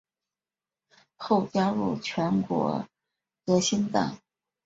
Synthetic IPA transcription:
xo˥˩ʊt͡ɕja˥ɻṵ˥˩t͡ɕʰɥɛ˧˥nkwɔ̰˧˥ | tɤ˧˥ɕi˥nt̪a̰˨˩˦n

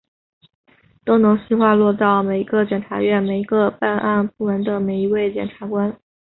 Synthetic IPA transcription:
t̪o˥ʊno˧˥ŋɕi˥xwa˥˧lwɔ˥˧t͡sɑ˥˩ʊme˨˩ɪi˧˥ɡə˧t͡ɕjɛ˨˩nʈ͡ʂʰa˧˥ɥɛ˥˩nme˨˩ɪi˧˥ɡə˧˦pa˥˧nʔa˥˧npu˥˩mə˧˥nd̪ə˨me˨˩ɪi˧˥we˥˩ɪt͡ɕjɛ˨˩nʈ͡ʂʰa˧˥kwa˥n

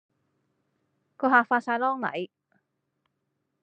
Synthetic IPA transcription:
kɔː˧haː˨faː˧t̚saː˧jlɔː˥ŋlɐ̰˨˩j

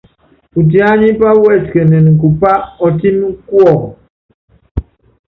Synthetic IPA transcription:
u˨t̬i˨˦a˦ɲi˦pa˦wɛ˦˨tkə˨nɛ˨ni˨ku˨pa˦ɔ˨ti˦nu˦ku˦ɔ˨

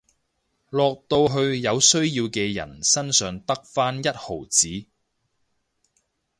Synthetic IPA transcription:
lɔː˨k̚t̪o˧wɦɵ˧ɥjɐ˨˧wsɵ˥ɥjiː˧wkɛː˧jɐ̰˨˩nsɐ˥nsœː˨˧ŋt̪ɐ˥k̚faː˥njɐ˥t̚ho˨˩wt͡siː˨˥

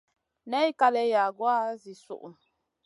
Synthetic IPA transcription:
nɛ˦i˦ka˦lɛ˨˦ja˨ɡwa˦zi˨sṵ˨ʔu˨n

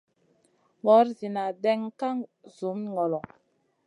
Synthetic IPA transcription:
ŋɔ˨˦ɾzi˨na˨dɛ˦ŋka˦ŋzu˨˦m˦ŋɔ˨lɔ˨

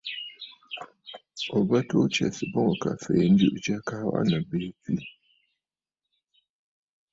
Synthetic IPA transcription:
ɔ˨ba˦to˦t͡ʃɛ̰˨sɨ˨bʊ˦ŋ˨ka̰˨fe˨n̩˦du˦ʔʊ˦t͡ʃɛ˦ka˦wʔa̰˦na˨beː˦ti˦

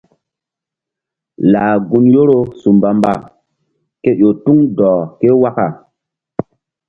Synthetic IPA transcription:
laː˨ɡu˦njo˦ɾo˦su˨mba˨mba̰˨ | ke˦jo˨tu˦ŋdɔː˨ke˦wa˦ka˨

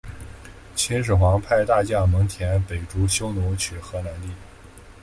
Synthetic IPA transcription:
t͡ɕʰi˧˥nʂ̬̩˨˩xwɑ˧˥ŋpʰa˥˧ɪt̪a˥˧t͡ɕja˥˩mɤ˧˥ŋt̪ʰjɛ˧˥npe˨˩ɪʈ͡ʂu˧˥ɕjo˥ʊnu˧˥t͡ɕʰy˨˩xɤ˧˥na˧˥nt̪i˥˩

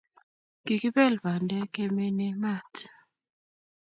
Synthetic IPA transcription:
ɡ̥i˨ki˦bɛ˦˨lba˨ndɛ˦ke˦me˦ne˦ma˦˨t

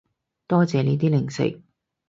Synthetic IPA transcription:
t̪ɔː˥t͡sɛː˨ni˨˥t̪̬iː˥lɪ˨˩ŋsɪ̰˨˩k̚

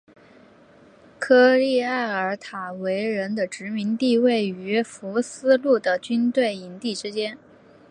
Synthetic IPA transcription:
kʰɤ˥li˥˧a˥˩ɪə˞˧˥t̪ʰa˨˩we˧˥ɪɻə˧˥nd̪ə˧ʈ͡ʂɻ̩˧˥mi˧˥ŋt̪i˥˧we˥˩ɪy˧˥fu˧˥sɹ̩˥lu˥˩d̪ə˩t͡ɕy˥nt̪we˥˩ɪi˧˩nt̪i˥˩ʈ͡ʂɻ̩˥t͡ɕjɛ˥n

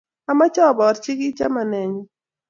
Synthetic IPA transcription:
a˦ma˦t͡ʃɔ˦˨bɔ˨ɾt͡ʃɪ˦ɡi˦t͡ʃa˦ma˨nɛ˨ɲɔ˨

